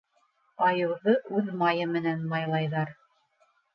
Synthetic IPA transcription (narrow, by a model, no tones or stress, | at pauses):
ɑjɤ̆wðɤʔʉðmɑjɤmɘ̆nænmɑjlˠɑjðɑɾ